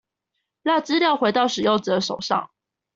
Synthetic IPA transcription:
la˥˩t͡sɹ̩˥ljɑ˥˩ʊxwe˧˥ɪt̪ɑ˥˩ʊʂɻ̩˨˩jo˥˩ʊt͡sə˨d̪ə˦ʂo˨˩ʊʂɑ̰˥˨ŋ

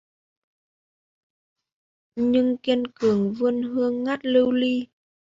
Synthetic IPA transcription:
ɲɨ˧ŋki˧ənkɨ˨˩əŋvɨ˧ənɦɨ˧əŋːa˦˥t̚lɨ˧wli˧

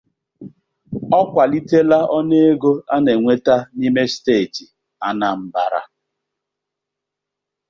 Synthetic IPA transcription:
ɔ˦kʷa˨li˦te˦la˦ɔ˦ne˦e˦ɡo˦a˦ne˨ŋʷe˦ta˦ni˦me˦ste˦˨ti˨ | a˦na˨m̩˦ba˨ɾa̰˦

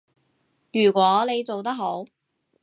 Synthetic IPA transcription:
jyː˨˩kʷɔː˨˥le˨˧jt͡so˨wt̪̬ɐ˥k̚ɦo˨˥w

